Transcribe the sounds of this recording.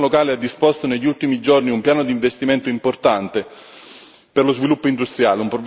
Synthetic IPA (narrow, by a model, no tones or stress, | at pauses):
lokaːlead̪ːispost̪oneʎːult̪imid͡ʒorniumpjaːnod̪iɱvest̪iment̪oimport̪ant̪e | perlozvilupːoind̪ust̪ɾjaːleumpɾo